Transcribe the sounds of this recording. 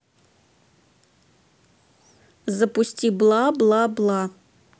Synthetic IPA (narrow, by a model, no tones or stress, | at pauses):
zɐpusʲtʲiblˠablˠablˠa